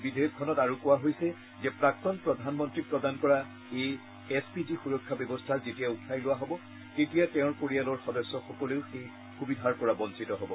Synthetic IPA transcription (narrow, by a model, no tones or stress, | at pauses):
bidʱejɔk̚kʰːɔnɔtaɹukʊwaɦojsɛ | zɛpɹak̚tɔnpɹɔdʱanmɔntɹik̚pɹɔdankɔɹa | ej | ɛspidixuɹɔkʰːabjɔbɔstʰaɹzetijautʰajlʊwaɦɔbɔ | ketijatɛʊ̃ɹkoɹialɔɹxɔdɔsːɔxɔkɔleʊxej | xubidʱaɹkɔɹabɔnsitɔɦɔbɔ